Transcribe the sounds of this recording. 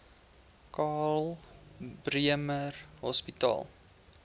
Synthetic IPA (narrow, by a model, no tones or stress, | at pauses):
kɑːl | briəmərɦɔspitɑ̰ːlˠ